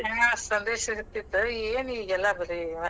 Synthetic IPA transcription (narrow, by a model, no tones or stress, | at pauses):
aːsɐnd̪eːʃɐɾit̪ːit̪ːueːniːɡɛlːɐbɐɾi